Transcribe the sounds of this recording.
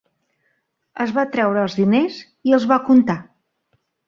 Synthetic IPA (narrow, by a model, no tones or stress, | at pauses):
əzβat̪ɾɛwɾəːlˠzðinez | iəlˠzβakunt̪a